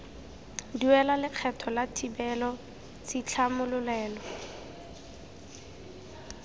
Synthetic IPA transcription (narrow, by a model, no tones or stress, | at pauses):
diwɛlalɪq͡χʰɛtʰɔlatʰibɛlɔ | t͡sit͡ɬʰamʊlʊlɛːlɔ